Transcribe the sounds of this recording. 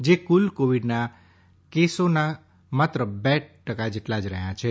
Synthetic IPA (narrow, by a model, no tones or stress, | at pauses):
d͡ʒekulkoʋiɖna | kesona | mat̪ɾəbɛʈəkad͡ʒeʈlad͡ʒɾəɦjãt͡ʃʰe